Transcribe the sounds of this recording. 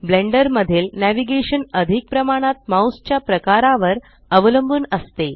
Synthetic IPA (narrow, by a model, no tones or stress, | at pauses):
bleɳɖəɾməd̪ʱiːlnæʋiɡeɕənəd̪ʱik̚pɾəmaɽ̃at̪̚mawst͡ɕjapɾəkaɾaʋəɾ | əʋləmbʱuːnəst̪e